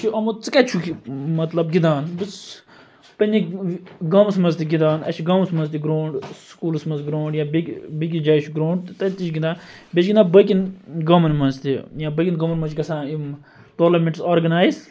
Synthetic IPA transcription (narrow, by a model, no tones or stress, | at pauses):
t͡ʃʰiʔɐmut͡sɨkɐt͡ʃʰukimɐt̪lɐbɡid̪aːnbɨs | pɐnʲiɡɐmsmɐzt̪iɡid̪aːnɐ̰t͡ʃʰiɡɐmsmɐnzt̪iɡɾoːɳɖsskuːlsmɐzɡɾoːɳɖjãːbikʲbik̬ʲid͡ʒaːjt͡ʃʰuɡɾoːɳɖt̪t̪ɐt̪it͡ʃɡind̪aː | bʲet͡ʃɡind̪aːbəkʲinɡɐmɐnmɐnzt̪ijãːbəkʲinɡɐmɐnmɐt͡ʃʰɡɐsãːim | toːɾlɐmeɳʈsaːɾɡɐnaːjz